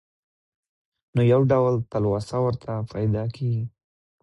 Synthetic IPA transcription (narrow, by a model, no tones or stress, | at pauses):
nojawɖawlt̪əlwɑsawəɾt̪ʰapʰɑjd̪ɑkʰeɡi